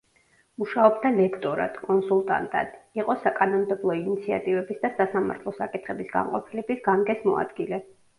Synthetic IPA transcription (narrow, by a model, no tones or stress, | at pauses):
uʃaɔb̚d̪alɛkʰt̪ʼɔɾa̰d̪̥kʼɔnsulˠt̪ʼa̰nt̪ʼa̰d̪̥iqʼɔsakʼanɔmd̪ɛblˠɔinit̪sʰia̰t̪ʼivɛbisd̪asasama̰ɾt̪ʰlˠɔsakʼit̪ʰχɛbisɡa̰ɴqʼɔpʰilɛbisɡamɡɛsmɔ̰a̰d̪ɡilɛ